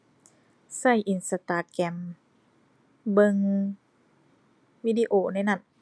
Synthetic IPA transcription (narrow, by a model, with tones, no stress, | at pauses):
sa˥˩jʔi˧˨nsa˧t̪aː˧˩kɛ˧˩m | bɤ˧ŋ | wiː˧diː˧ʔoː˧˩na˧˩jna˧˩n